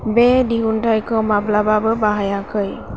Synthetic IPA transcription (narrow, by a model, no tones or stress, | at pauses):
bediɦuntajkʰɔmablababɯbaɦajakʰɯj